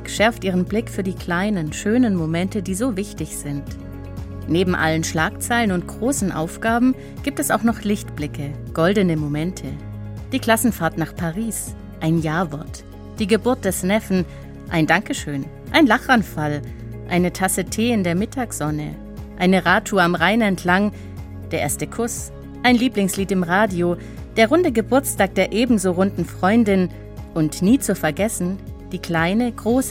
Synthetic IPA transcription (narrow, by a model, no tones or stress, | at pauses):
kʃɛɐftʔiːʁ̞ənblɪkfyːɐdiːkʰl̥aɪnənʃøːnənmomɛntədiːzoːvɪçtɪçz̥ɪnt | neːbm̩ʔa̰lənʃlaːkt͡saɪlənʊnt̚ɡ̥ʁoːsn̩ʔa̰ʊfɡ̥aːbm̩ | ɡ̥iːp̚tɛsaʊxnɔχlɪçtb̥lɪkəɡ̥ɔldənəmomɛntʰə | d̥iːkl̥asn̩faːɐtnaːχpʰaʁiːs | ʔaɪnjaːɐvɔɐt | d̥iːɡəbʊɐt̚d̥ɛsnɛfn̩ | ʔaɪndaŋkəʃøːn | ʔaɪnlaχʔanfal | ʔaɪnətʰasətʰeːɪndeːɐmɪtʰaːksz̥ɔnə̰ | ʔaɪnəʁaːtʰuːɐamʁaɪnɛntʰlaŋ | d̥eːɐʔeːɐstəkʰʊs | ʔaɪnliːplɪŋsliːtɪmʁaːdioː | d̥eːɐʁʊndəɡəbʊɐt͡stʰaːk̚d̥eːɐʔeːbm̩zoːʁʊndn̩fʁ̥ɔʏndɪn | ʔʊntniːt͡sufɛɐɡɛsn̩d̥iːkl̥aɪnəɡʁoːs